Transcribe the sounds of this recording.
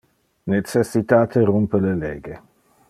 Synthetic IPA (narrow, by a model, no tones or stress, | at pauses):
net͡sesit̪aːt̪ʰerumpəleleːɡe